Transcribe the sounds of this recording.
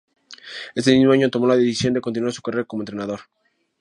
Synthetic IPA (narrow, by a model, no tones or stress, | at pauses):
e̞st̪e̞mizmo̞aɲot̪o̞molaðeθisjo̞nd̪ekont̪inuasu̥kareɾko̞mont̪ɾe̞nað̞oɾ